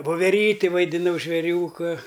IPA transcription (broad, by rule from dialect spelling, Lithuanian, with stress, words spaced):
ʋoːʋʲɛˈrʲiːtʲɪ ʋɐɪdʲɪˈnɐʊ ʒʲʋʲeːˈrʲuːkɐ